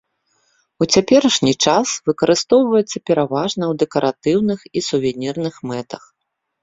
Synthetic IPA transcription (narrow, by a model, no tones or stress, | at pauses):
ut͡sʲapʲɛɾɐʂnʲit͡ʂasvɨkɐɾɨst̪ɔwvɐjɛt̪sːɐpʲɛɾavaʐnɐwd̪ɛkɐɾʔat̪ɨwnɨxisuvʲɛnʲirnɨxmɛt̪ɐx